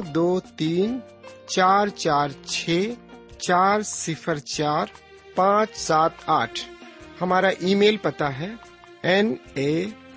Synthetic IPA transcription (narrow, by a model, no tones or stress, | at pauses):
d̪oːt̪iːn | t͡ʃaːɾt͡ʃaːɾt͡ʃʰeːt͡ʃaːɾsɪpʰəɾt͡ʃaːɾ | pãːt͡ʃsaːt̪aːʈʰhɐmaːɾaʔiːmeːlpɐt̪aɦɛ | ɛneː